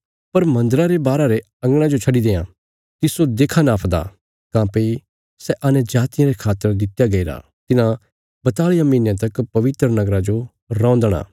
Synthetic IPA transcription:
pɐɾmɐ̃nd̪əɾaɾebaːɾaɾe | ɐ̃ŋɡɽ̃ãd͡ʒot͡ʃʰɐɖid̪ẽːã | t̪ɪsod̪eːkʰanaːpʰd̪a̰ | kãːpəi | sɛʔɐnɛ̃d͡ʒaːt̪ɪjãɾekʰaːt̪ːəɾd̪ɪt̪jaɡɐiɾa̰ | t̪ɪnã | bɐt̪aːɭijamiːnjãt̪̬ɐkpɐʋɪt̪ɾənɐɡɾad͡ʒo | ɾɔ̃ːnd̪əɽ̃a̰ː

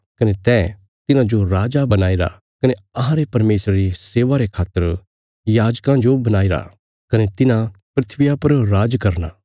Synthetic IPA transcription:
kɐnet̪ɛː | t̪ɪnãd͡ʒoɾaːd͡ʒabɐnaːiɾa̰ | kɐneɐɦãɾepɐɾmeːsɾaɾiseːʋaɾekʰaːt̪ːəɾ | jaːd͡ʒkãd͡ʒobɐnaːiɾa̰ | kɐnet̪ɪnãpɾɪt̪ʰʋɪjapɐɾɾaːd͡ʒkɐɾna̰ː

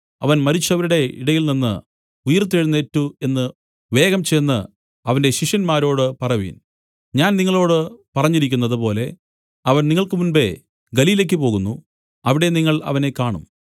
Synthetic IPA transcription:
ɐʋɐnmɐɾit͡ɕːɐʋɐɾuɽe̞ḭɽɐjilninːɨ̰ | ujɐrt̪̬ːeɻunːeːtːue̞nːɨ | ʋe̞ːɣɐmt͡ɕe̞jnːɨ | ɐʋɐnde̞ɕiʂjɐnmaːɾo̞ːɽɨpɐrɐʋḭːn | ɲaːnniŋːɐɭo̞ːɽɨpɐrɐɲːiɾikʲːunːɐðɨpo̞ːle̞ | ɐʋɐnniŋːɐɭkɨmunbe̞ | ɡɐliːlek̬ʲːɨpo̞ːɣunːu | ɐʋiɽe̞niŋːɐɭɐ̰ʋɐne̞kaːɳṵm

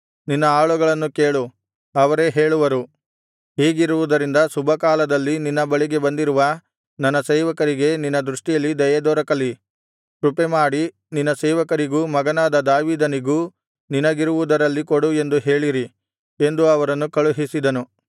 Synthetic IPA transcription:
ninːɐaːɭuɡɐɭɐnːukeːɭu | ɐʋɐɾe̞ɦe̞ːɭuʋɐɾu | ɦiːɡiɾuʋud̪ɐɾind̪ɐsubʱɐkaːlɐd̪ɐlːininːɐbɐɭiɡe̞bɐnd̪iɾuʋɐ | nɐnːɐseːʋɐkɐɾiɡe̞ninːɐd̪ɾuʂʈijɐlːid̪ɐjɐd̪ɔːɾɐkɐlːi | kɾupemaːɽi | ninːɐseːʋɐkɐɾiɡuːmɐɡɐnaːd̪ɐd̪aːʋiːd̪ɐniɡuː | ninɐɡiɾuʋud̪ɐɾɐlːikoɽue̞nd̪uɦeːɭiɾi | e̞nd̪uɐʋɐɾɐnːukɐɭuɦisid̪ɐnu

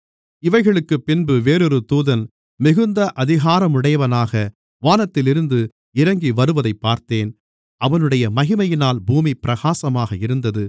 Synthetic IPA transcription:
ɪʋɐɪɣɐɭɯkːɯpːɪnbɯʋeːɾɯɾɯt̪uːðɐn | mɪɣɯnd̪ɐʔɐðɪɣaːɾɐmʊɽɐjɐʋɐnaːɣɐ | ʋaːnɐt̪ːɪlɪɾɯnd̪ɯ | ɪɾɐŋɡiʋɐɾɯʋɐðɐɪpːaːɾt̪eːn | ɐʋɐnɯɽɐjɐmɐɣɪmɐjɪnaːlbuːmipɪɾɐɣaːsɐmaːɣɐɪɾɯnd̪ɐðɯ

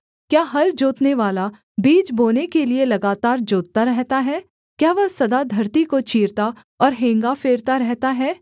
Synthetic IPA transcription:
kjaːɦɐɾd͡ʒoːt̪neʋaːla | biːt͡ʃboːnekelielɐɡaːt̪aːɾd͡ʒoːt̪̚t̪aɾɛɦt̪aɦɛː | kjaːʋɐɦsɐd̪ad̪ʱɐɾt̪ikot͡ʃʰiːɾt̪a | ɔːɾɦẽːŋɡafeːɾt̪aɾɛɦt̪aɦɛː

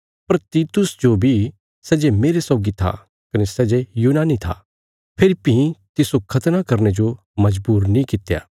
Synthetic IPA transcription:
pɐɾt̪iːt̪ʊsd͡ʒobʱi | sɛːd͡ʒemeːɾesɔːɡit̪ʰa̰ | kɐnesɛːd͡ʒejuːnaːnit̪ʰa̰ | pʰeɾipɪ̃ɦĩt̪ɪsokʰɐt̪nakɐɾned͡ʒo | mɐd͡ʒbuːɾnĩkɪt̪ːja̰ː

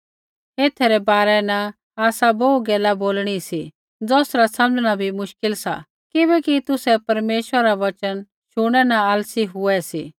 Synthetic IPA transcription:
eːt̪ʰɛɾɛbaːɾɛna | aːsabouɡɛːlaboːlɽ̃isi | d͡zɔːsɾasɐ̃md͡zɽ̃abʱimʊʃkɪlsa̰ | kɪbɛkit̪ʊsɛpɐɾmeːʃwəɾɾaʋɐt͡ʃən | ʃʊɽ̃ɛnaaːlsiɦʊɛsiː

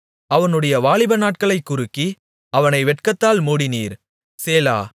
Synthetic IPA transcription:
ɐʋɐnɯɽɐjɐʋaːɭɪbɐnaːʈ̚kɐɭɐɪkːʊɾɯkːi | ɐʋɐnɐɪʋɛʈkɐt̪ːaːlmuːɽɪniːɾ | seːla̰ː

